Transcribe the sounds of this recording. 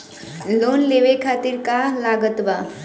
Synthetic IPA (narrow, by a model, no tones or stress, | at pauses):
loːnleːʋekʰaːt̪iɾkalaːɡət̪ʋa